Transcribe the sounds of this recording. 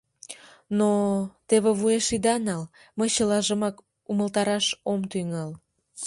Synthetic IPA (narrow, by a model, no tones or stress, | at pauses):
not̪eβĕβueʃid̪ɑnɑl | məɕəlɑʒəmɑk | uməlt̪ɑɾɑʃomt̪yŋɑl